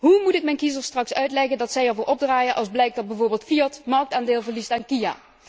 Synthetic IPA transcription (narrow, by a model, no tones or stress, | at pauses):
ɦumutɪk̚mɛjnkizəɹstrɑksœɥtlɛɣəndɑtsɛjɛɹvoːɹʔɔb̚draːjəʔɑ̰lˠzblɛjk̚dɑd̚bɛjvoːɹbeːlˠtfiɑtmɑɹk̚taːndeːlˠvəɹlistaːnkija̰ː